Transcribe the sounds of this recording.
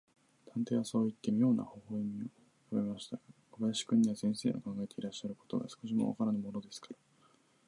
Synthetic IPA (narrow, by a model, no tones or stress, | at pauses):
t̪ãnt̪e̞ːβaso̞ːit̪ːe̞mʲijo̞ːnʔa̰ho̞ːhoimʲio | jobe̞maɕi̥t̪aɡakobaɕi̥kɯ̟̃ɲ̟ːiβasẽ̞ɰ̃se̞ːno̰kãŋɡae̞t̪e̞iɾaɕːaɾɯ̟kot̪o̞̰ɡa̰sɨ̥ko̞ɕ̬imo̰a̰kaɾanomo̞no̞d̪e̞sɨ̥kḁɾa